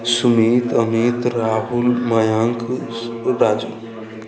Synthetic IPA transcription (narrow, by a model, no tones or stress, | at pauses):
sumiːt̪əmit̪ɾaːɦulmɐjaŋk | ɾaːd͡ʒu